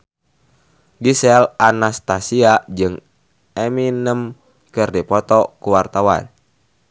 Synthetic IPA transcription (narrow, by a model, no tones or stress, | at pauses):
ɡisɛlanast̪asiad͡ʒɨŋ | ɛminəm | kɨrdipɔt̪ɔkuwart̪awa̰n